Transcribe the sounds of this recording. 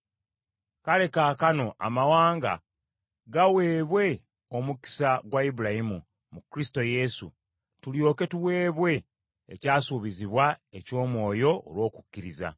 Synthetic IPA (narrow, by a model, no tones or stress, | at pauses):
kale̞kaːkano̞ʔa̰mawaːŋɡa̰ | ɡawe̞ːβwe̞ | omuki̥saɡwaibuɾahimu | mukɾisi̥to̞je̞sṵ | tuljo̞ːke̞tuwe̞ːβwe̞̰ː | caːsuβiziβwae̞co̞ːmwo̞ːjo̞o̰lwo̞ːku̥cːiɾiza̰